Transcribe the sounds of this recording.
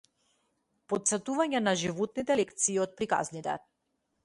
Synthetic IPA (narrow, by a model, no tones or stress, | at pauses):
pɔt̪sɛt̪uvaɲɛnaʒivɔt̪nit̪ɛlɛkt̪siːɔt̪̚pɾika̰znit̪ɛ̰